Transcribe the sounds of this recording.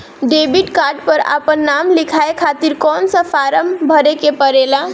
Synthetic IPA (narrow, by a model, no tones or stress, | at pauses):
ɖebiʈkaːɾɖpəɾa̰pənːamlɪkʰaekʰat̪iɾkɔːnsə̃pʰaɾəmbʱəɾekepəɾela